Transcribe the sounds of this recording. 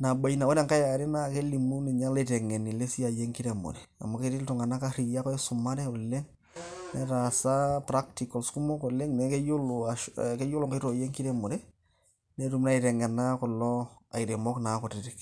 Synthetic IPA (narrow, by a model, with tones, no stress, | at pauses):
na˨ba˨ina˨ɔ˦dɛ˦ŋka˦ja˨ɾɪ˦na˦ke˦li˨mu˦ni˨ɲa˦le˦tɛ˨ŋɛ˨ni˨le˦si˦a˨je˦ŋki˦ɾɛ˨mo̰˨dɛ˨a̰˨ma˨ke˦tɪ˦ltu˨ŋa˨na˦ka˦ɾi˨ja˦kɔ˦ɛ˦sʊ˨ma˦dɛ˦ɔ˨le˦ŋ | nɛ˨ɾa˨sa˦pɾa˦ktikɔ˨lsku˦mɔ˦kɔ˨le˦ŋnɛ˨˦ke˦jʊ˦loake˦jo˦lɔ˨ŋke˦ɾo˨je˦ŋki˦ɾɛ˦mo˨ɾɛ˦ | ne˨˦ɾu˨m˦na˦i˨tɛ˨ŋɛ˨na˦kɔ˨lːɔ˦a˨i˨ɾe˨mɔ˦kna˨˦kɔ˨tɪ˦ɾɪ˦k